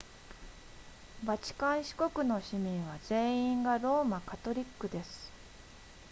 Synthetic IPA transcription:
bat͡ɕi̥kãɰ̃ɕi̥ko̞kɯ̟no̞ɕimʲĩɰ̃βaze̞ːĩŋɡaɾo̞ːmakat̪o̞ɾʲikːɯ̟d̪e̞sɨ̥

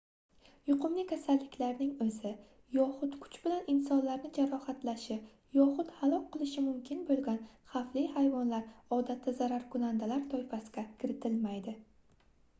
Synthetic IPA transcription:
jʊqʰʊmlɪkʲʰasalːɪkʲʰlaɾnɪŋɵzɪ | jɒχʊt̪kʰʊ̥t͡ʃbɪlanɪnsɒnlaɾnɪd͡ʒaɾɒhat̪laʃɪ | jɒχʊt̪halˠɒk̚ʲqɨlˠɪʃɪmʊmkʲʰɪnbolˠɡʲanχaflihajvɒnlaɾɒd̪at̪ʰːazaɾaɾkʰʊnand̪alaɾt̪ʰɒjfasɪɡʲakʲʰɪɾɪt̪ʰɪlmajd̪ɪ

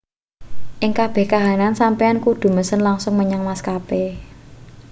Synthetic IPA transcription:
ʔɪŋkab̥ɛ̤hkaɦanansampeankud̪̥ṳməsənlaŋsʊŋməɲaŋmaskape

